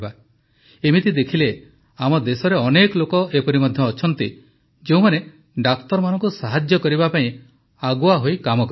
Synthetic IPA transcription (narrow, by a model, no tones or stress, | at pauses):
ba | emit̪id̪ekʰile | amɔd̪esɔɾeɔnekɔlokɔʔepɔɾimɔd̪ʱjɔːt͡ʃʰɔnt̪i | d͡ʒeũmane | ɖakt̪ɔɾmanɔŋkusaɦad͡ʒjɔkɔɾibapaĩ | aɡuaɦojkamɔk